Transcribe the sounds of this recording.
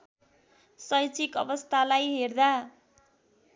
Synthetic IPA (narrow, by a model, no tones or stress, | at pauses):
sʌjt͡sikʌbʌst̪ʰalajɦerd̪a